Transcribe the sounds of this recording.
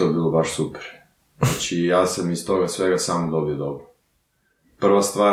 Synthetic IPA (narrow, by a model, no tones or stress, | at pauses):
t̪oebiːlˠobaʃsupe̥ɾ | at͡ʃijaːsamist̪o̞ɡasʋeɡasaːmod̪o̞biod̪obɾo | pr̩ʋast̪ʋaː